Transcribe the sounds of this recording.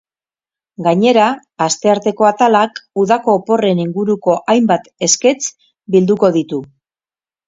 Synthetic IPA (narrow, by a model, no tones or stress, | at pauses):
ɡaɲe̞ɾaː | st̪e̞aɾt̪e̞ko̞at̪alakuðako̞ːpo̞re̞niŋɡuɾuko̞ʔajmbat̪e̞ske̞t͡s | bild̪uko̞ð̞it̪u